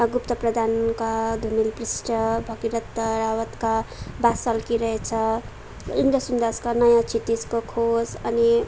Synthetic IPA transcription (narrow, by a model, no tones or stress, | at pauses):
ɡupt̪ʌprʌd̪ʱankad̪ʱumilprisʈʌbʱʌɡiɾʌt̪ːʌɾawʌt̪kabasʌlkiɾʌɦet͡sʰʌ | ind̪ɾʌsund̪askanʌjãt͡sʰit̪id͡zkokʰod͡zʌni